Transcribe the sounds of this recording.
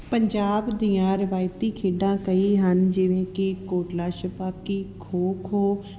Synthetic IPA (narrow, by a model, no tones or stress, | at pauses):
pəɲd͡ʒaːbd̪iːãːɾɪʋaːjt̪iːkʰeːɖãːkəiːɦənd͡ʒɪʋẽːkɪkoːʈlaːʃəpaːp̚kiːkʰoːkʰɦoː